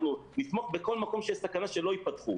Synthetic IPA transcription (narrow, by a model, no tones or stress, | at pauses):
lunit̪moχbeko̞lmako̞mʃesakanaʃelo̞ipat̪χu